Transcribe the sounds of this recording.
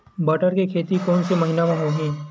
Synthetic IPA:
bɐʈəɾkekʰeːt̪ikɔːnsemɐɦɪnaʋãɦoɦɛ̃ː

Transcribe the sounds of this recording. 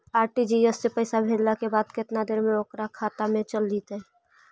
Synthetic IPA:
aːɾʈid͡ʒiɛsːepəɪsabʱeːɾlakebaːd̪kɪt̪nad̪eːɾmẽoːkɾakʰaːt̪amẽt͡ʃəlːit̪ɦɛː

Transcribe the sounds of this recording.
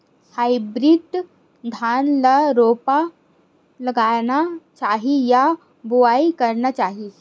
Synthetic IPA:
hajbɾiːd̪ | d̪ʱanlaɾopa | ləɡaɭnat͡ɕaɦija | buʋaikəɾɳat͡ɕaɦi

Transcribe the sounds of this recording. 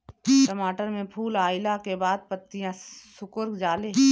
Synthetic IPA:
ʈəmaːʈəɾmẽpʰuːlaːɪlakebaːd̪̚pət̪ːijãsʊkʊɾkd͡ʒaːle

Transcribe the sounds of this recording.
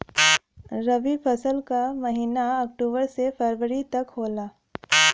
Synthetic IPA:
ɾɐʋipʰɐsəlkamɐɦiːnaɔkʈuːbəɾsepʰeɾʋəɾit̪ɐkɦoːlaː

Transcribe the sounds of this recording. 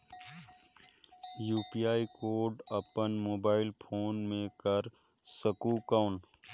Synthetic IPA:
juːpiaːikoːɾɖəpənmoːbaːɪlpʰoːnmẽkəɾ | səkuːkaːn

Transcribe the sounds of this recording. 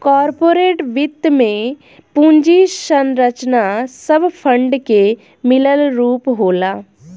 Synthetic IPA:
kɔːɾpoːɾeːʈʋɪt̪ːmẽ | pũːɲd͡ʒiʃənɾət͡ʃnasəbpʰə̃ɳɖke | mɪləlɾuːpɦoːlaː

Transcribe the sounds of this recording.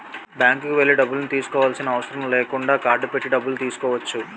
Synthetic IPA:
bjaːŋkkuʋelːiɖɐbːulnit̪iːsu̥kɔːʋaːlsinɐɐʋɐsɐɾɐmleːkuɳɖaːkaːɾɖupeʈːiɖɐbːult̪iːsu̥kɔːʋɐt͡ʃːu

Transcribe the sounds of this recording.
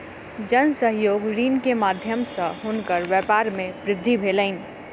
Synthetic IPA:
d͡ʒənsəɦjoːɡɾiːnkemad̪ʱjəmsə̃ɦunkəɾʋjɛpaɾmebɾɪd̪ʱːibʱeləɪn

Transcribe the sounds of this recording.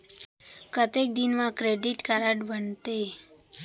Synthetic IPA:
kət̪ek̚d̪inmãkɾeɖiʈkaɾəʈbənt̪e

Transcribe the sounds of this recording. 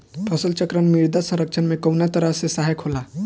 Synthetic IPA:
pʰəsəlt͡ʃəkɾənmiɾd̪asə̃ɾək̚t͡ʃʰənmẽkəwnjat̪əɾəsesaɦekʰola

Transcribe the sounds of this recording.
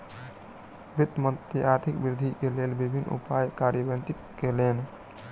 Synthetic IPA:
bit̪ːmənt̪iaɾt̪ʰikbiɾd̪ʱikelelbibʱinːṵpajkaɾjəbẽnt̪ikkelen

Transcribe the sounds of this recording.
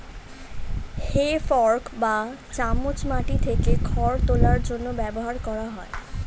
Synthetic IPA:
hefɔɾkba | t͡ɕamːut͡ɕmaʈit̪ʰekekʰɔɾt̪olaɾd͡ʑonːobɛboɦaɾkɔɾaɦɔe

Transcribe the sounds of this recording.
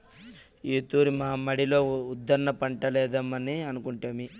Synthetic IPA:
iːt̪uːɾimaːmɐɽilo̞ːud̪ːɐɾnɐpɐɳʈɐlɛːd̪ɐmːɐniɐnukuɳʈeːmi

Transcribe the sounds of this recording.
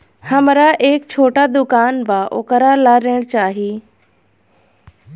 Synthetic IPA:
hɐmɾaʔeːk̚t͡ɕʰoːʈad̪ʊkaːnbaʔo̰ːkəɾalaɾeɽ̃t͡ɕaːɦiː

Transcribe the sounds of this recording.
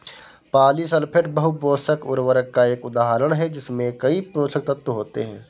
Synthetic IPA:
paːlisɐlpʰɪʈbəɦuboːsəkʊɾʋəɾəkːaeːkʊd̪aːɦɾəɽ̃ɦɛd͡ʒɪsmẽkɐipɾoːsək̚t̪ɐt̪wəɦoːt̪ḛɦɛ̰̃ː

